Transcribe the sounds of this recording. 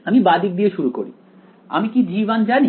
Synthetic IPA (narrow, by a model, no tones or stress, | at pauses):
amibad̪ik̚d̪ieʃuɾuko̰ɾḭ | a̰mikid͡ʑiband͡ʑani